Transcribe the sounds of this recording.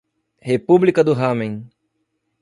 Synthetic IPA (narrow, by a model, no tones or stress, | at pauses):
hepublikɐd̪ʊɦɐmẽj̃